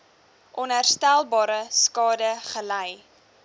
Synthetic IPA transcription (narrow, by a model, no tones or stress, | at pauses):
ʔɔnɦærstælˠbɑːɾəskɑːdəχəlɛj